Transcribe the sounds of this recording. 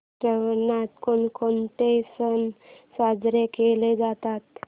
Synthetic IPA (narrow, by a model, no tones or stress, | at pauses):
ɾəʋənat̪konkont̪esənsad͡zɾekeled͡zat̪at̪